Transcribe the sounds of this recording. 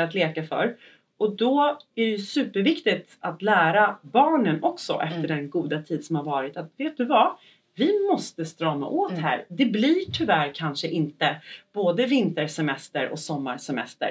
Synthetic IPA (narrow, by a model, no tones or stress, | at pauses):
at̪leːkafœ̰ɾ | ʔɔd̪ɔæɖɛjɵsʉ̟ːpəɾvɪkt̪ɪt̪at̪læːɾabɑːɳənɔksɔ̰ʔɛft̪əɖɛnɡuːd̪at̪ʰiːd̪sɔmhaɾvɑːɾɪt̪at̪veːt̪̚d̪ɵva | vɪmɔst̪əst̪ɾɑːma̰ʔoːt̪hæ̰ːɾd̪ɛblɪʈʰʏvæːɾkʰanʂəʔɪnt̪əb̥oːd̪əvɪnt̪əɾʂɛmɛst̪əɾɔ̰sɔmːaɾʂɛmɛ̰st̪ə̰ɾ